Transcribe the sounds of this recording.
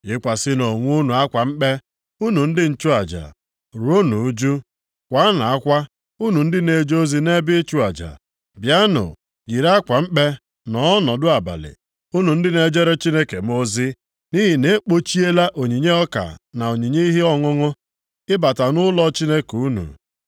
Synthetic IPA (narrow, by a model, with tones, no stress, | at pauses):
ɪ˦kʷa˨sɪ˦no˨ŋʷu˦nu˨a˦kʷa˨ŋ͡m̩˦k͡pe˦ | u˦nu˨n̩˦dɪ˦n̩˦t͡ʃu˦a˨d͡ʒa̰˨ | ɾo˦nu˨u˦d͡ʒu˦ | kʷa˦na˨a˦kʷa˦ | u˦nu˨n̩˦dɪ˦ne˨d͡ʒo˦zi˦ne˦bɪ˦t͡ʃu˦a˨d͡ʒa̰˨ | bja˦nʊ̰˨ | ɡi˨ɾa˦kʷa˨m̩˦k͡pe˦ | nɔ˨˦ɔ˦nɔ˨dʊ˦a˨ba̰˨lɪ̰˨ | u˦nu˨n̩˦dɪ˦ne˦d͡ʒe˦ɾe˦t͡ʃi˦ne˦ke˨m̩˦o˦zɪ˦ | ni˦ɦi˨ne˦k͡po˦t͡ʃi˦e˦la˦ʔo˨ɲi˨ɲe˦ɔ˦ka̰˨na˨o˨ɲi˨ɲe˦i˦ɦi˦ɔ˦ŋʊ˦ŋʊ˦ | ɪ˦ba˨ta˨nʊ˦lɔ˦t͡ʃi˦ne˦ku˨u˦nṵ˨